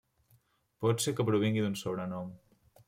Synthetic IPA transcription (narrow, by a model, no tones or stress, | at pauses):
pɔt̪sekəpɾuβ̞iŋɡid̪unsoβɾənɔm